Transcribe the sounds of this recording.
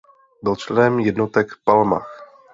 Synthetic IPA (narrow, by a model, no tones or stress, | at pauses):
bɪlt͡ʃlɛnɛmjɛdnot̪ɛkpalma̰x